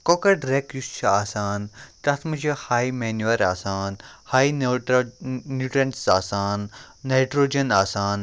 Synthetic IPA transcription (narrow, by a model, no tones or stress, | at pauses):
koːkɐɖɾekjust͡ʃʰɐaːsaːnt̪ɐt̪ʰmɐd͡ʒɐhaːjmeːnjuɐɾaːsaːnhaːj | njuːʈɾɐnsaːsaːnːajʈɾoːd͡ʒɐnaːsaːn